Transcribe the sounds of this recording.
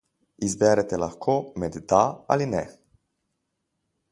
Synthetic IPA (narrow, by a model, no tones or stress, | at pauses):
izbɛɾɛt̪ɛlaxkʰoːmɛd̪d̪aa̰linɛ